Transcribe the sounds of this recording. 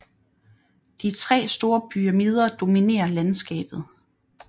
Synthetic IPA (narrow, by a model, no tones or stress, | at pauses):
d̥it͡sʰʁɛ̰ːsd̥o̝ːɐpʰyʁæmið̞ˠɐd̥o̝mine̝̰ːɐlænsɡ̥ɛ̰ːb̥ð̞̩ˠ